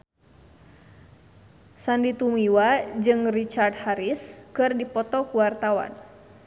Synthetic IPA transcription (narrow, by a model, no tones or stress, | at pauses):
sandit̪umiwad͡ʒɨŋrit͡ʃart̪̚haɾiskɨrdipɔt̪ɔkuwart̪awa̰n